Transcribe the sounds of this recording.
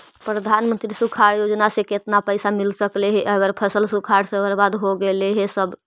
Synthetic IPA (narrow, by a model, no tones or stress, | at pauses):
pɾəd̪ʱanmənt̪ɾisukʰaɽjod͡ʒnasẽket̪napəjsamilsəkleɦɛʔəɡəɾpʰəsəlsukʰaɽsebəɾbad̪ɦoɡeleɦesəbʱ